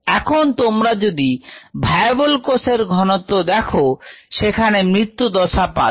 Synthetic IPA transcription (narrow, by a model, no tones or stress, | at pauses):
ɛkʰont̪omɾad͡ʒod̪ibʱajbolkoseɾɡʱɔnɔt̪od̪ɛkʰoʃekʰanemɾit̪ːud̪ɔsapa̰